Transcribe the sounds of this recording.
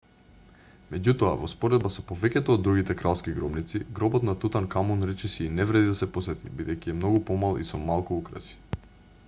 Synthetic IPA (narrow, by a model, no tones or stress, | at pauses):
mɛɟut̪ɔa̰vɔspɔɾɛd̪basɔpovɛcɛt̪oːd̪ːɾuɡit̪ɛkɾalˠskiɡɾɔbnit̪siɡɾɔbɔt̪nat̪ut̪aŋkamunɾɛt͡ʃɛsiːnɛvɾɛd̪id̪asɛposɛt̪ḭbid̪ɛjciɛmnɔɡupɔmalˠḭsɔmalˠkuukɾa̰si̥